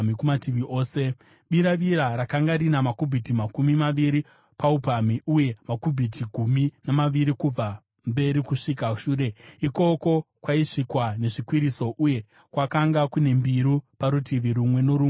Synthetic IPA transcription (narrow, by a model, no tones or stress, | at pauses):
mikumatiʋiʔoːse̞ | ɓiɾaʋiɾaɾakaŋɡaɾinamakubʱitimakumimaʋiɾi | paupamiuje̞makubʱitiɡʱuminamaʋiɾikub͡va | mbe̞ɾikuʂikaʃuːɾe̞iko̞ko̞kwaiʂikwane̞ʐikwiɾiso̞ʔuje̞ | kwakaŋɡakune̞mbiɾupaɾutiʋiɾumwe̞no̞ɾu